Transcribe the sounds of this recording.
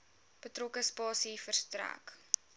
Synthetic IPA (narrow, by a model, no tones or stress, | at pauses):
b̥ətrokəspɑːsifərstræ̰k